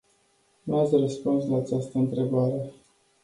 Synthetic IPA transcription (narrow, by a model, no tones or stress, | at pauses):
nuat̪sʲrəspunslaːt͡ʃast̪əɨnt̪ɾe̞baɾe